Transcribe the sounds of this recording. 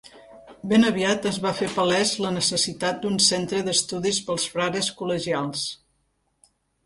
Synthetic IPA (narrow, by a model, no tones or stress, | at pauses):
benəβiat̪əzβafepəlɛzlənəsəsit̪at̪̚d̪unsent̪ɾəðəst̪uðispəlˠsfɾaɾəskuləʒialˠs